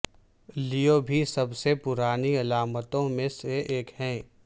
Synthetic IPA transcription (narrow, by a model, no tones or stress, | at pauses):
lijobʱisɐbsepʊɾaːniɐlaːmət̪õmẽseʔeːkhɛ̃ː